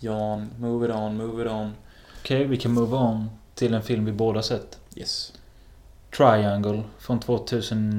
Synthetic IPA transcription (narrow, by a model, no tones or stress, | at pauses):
jɑːnmʉːvəɾɔnmuːvəɾɔn | ɔkʰɛɪvɪkʰãnmuːvaɔnt̪ʰɪlɛnfɪlmvɪboːd̪ahasɛt̪ːjɛs | t̪ʰɹajæŋɡəlfɾɔnt̪ʰvoːt̪ʰʉ̟ːsən